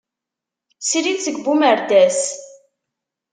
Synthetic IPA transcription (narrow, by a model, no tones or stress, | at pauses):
siɾiðsəɡbuməɾd̪æs